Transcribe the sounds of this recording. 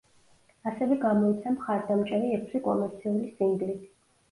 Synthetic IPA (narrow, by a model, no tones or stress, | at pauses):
asɛvɛɡamɔit̪sʰamχaɾd̪amt͡ʃʼɛɾiɛkʰsikʼɔ̰mɛɾt̪sʰiulisiŋɡlit̪ʰ